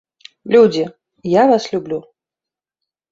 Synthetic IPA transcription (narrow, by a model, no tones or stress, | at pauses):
lʲud͡zʲi | javaslʲublʲu